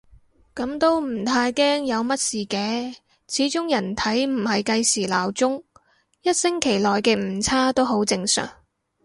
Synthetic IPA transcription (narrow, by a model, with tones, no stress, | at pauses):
kɐ˨˥mt̪o˥wm̩˨˩t̪ʰaː˧jkɛː˥ŋjɐ˨˧wmɐ˥t̚siː˨kɛː˨˧ | t͡sʰiː˨˥t͡ʃʊ˥ŋjɐ˨˩nt̪ʰɐ˨˥jm̩˨˩hɐ˨jkɐ˧jsiː˨˩laː˨˩wt͡sʊ˥ŋ | jɐ˥t̚sɪ˥ŋkʰe˨˩jlɔː˨jkɛː˧m̩˨˩t͡sʰaː˥t̪o˥wɦo˨˥wt͡sɪ˧ŋsœ̰ː˨˩ŋ